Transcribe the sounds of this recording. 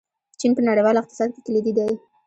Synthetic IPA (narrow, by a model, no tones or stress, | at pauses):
t͡ʃinpənaɽejwɑlɪq̚t̪ɪ̥sɑd̪̚ke̥kəlid̪id̪aji